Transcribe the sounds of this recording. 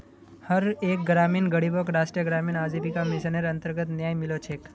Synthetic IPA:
həɾek̚ɡɾaminɡəɽibokɾasʈɾijəɡɾaminad͡ʒipikamɪʃəneɾənt̪əɾɡət̪njajmɪlot͡ʃʰek

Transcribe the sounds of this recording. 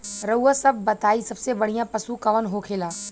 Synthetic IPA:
ɾɐuːəsɐb̚ʱːɐt̪aːisɐbsebɐɽ̤ijãpɐsukɐʋənɦoːkʰeːlaː

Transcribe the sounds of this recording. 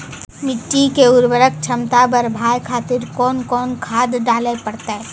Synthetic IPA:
mɪʈːikeʊɾbəɾək̚t͡ʃʰəmt̪abəɾbʱaːjkʰaːt̪ɪɾkɔːnkɔːnkʰaːd̪ɖaːlepəɽt̪aɦɛ

